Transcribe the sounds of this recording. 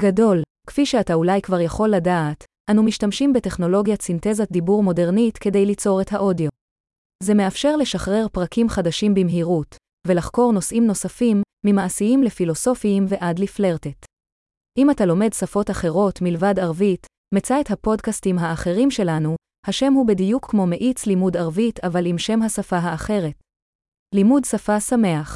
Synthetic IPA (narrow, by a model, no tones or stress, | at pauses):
ɡado̞l | kfiʃeataulajkvaʁjaχo̞lːadaːt | ʔanumiʃtamʃimbe̞te̞χno̞lo̞ɡjasinte̞zad̪ibuʁmo̞de̞ʁnitke̞dejlit͡so̞ʁe̞thaʔo̞dijo̞ | ze̞me̞afʃe̞ʁle̞ʃaχʁe̞ʁpʁakʰimχadaʃimbimɦiʁut | ve̞laχko̞ʁno̞sʔimno̞safimːimaːsiimle̞filo̞so̞fimveʔadlifleʁtet | ʔimatalo̞me̞dsafo̞taχe̞ʁo̞tmilvadaʁvit | met͡saethapo̞dkastimɦaːχe̞ʁimʃe̞lanu | haʃe̞mhubedijukʰːmo̞me̞ʔit͡slimudaʁvitavalimʃe̞mɦasafaɦaːχe̞ʁe̞t̚ | limudsafasame̞aχ